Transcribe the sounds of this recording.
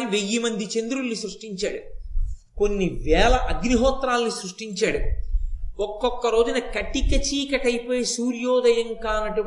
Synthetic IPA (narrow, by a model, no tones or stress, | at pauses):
niʋejːimɐnd̪it͡ʃe̞nd̪uɾulːisɾuʂʈiɲt͡ʃa̰ːɽu | konːiʋɛːlɐʔɐɡniɦɔːt̪ɾaːlnisɾuʂʈiɲt͡ʃaːɽu | ɔkːɔkːɐɾo̞ːd͡ʒunɐkɐʈːikɐt͡ʃiːkɐʈɐjipoːjesuːɾjɔːd̪ɐjɐŋkaːnɐʈi